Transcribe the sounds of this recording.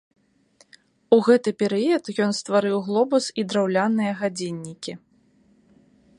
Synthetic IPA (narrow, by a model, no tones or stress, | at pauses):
uɣɛt̪ɨpʲɛɾɨjɐt̪jɔnst̪vaɾɨwɣlˠɔbusid̪ɾawlʲanːɨjɐɣad͡zʲenʲːikʲi